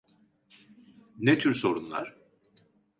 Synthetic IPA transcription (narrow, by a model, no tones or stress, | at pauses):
net̪ʰyɾso̞ɾunlˠa̰ɾ̥